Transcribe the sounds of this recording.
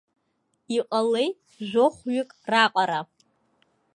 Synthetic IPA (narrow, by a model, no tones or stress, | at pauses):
iqʼalejtʼ | ʒᶣʷoχʷɥɪkʼraqʼaɾa